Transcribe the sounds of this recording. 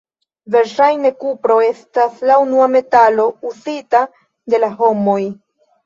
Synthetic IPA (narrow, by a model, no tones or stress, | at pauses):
ve̞ɾʃajne̞kupɾo̞e̞staslaunuame̞talo̞uzita | de̞laɦo̞mo̞j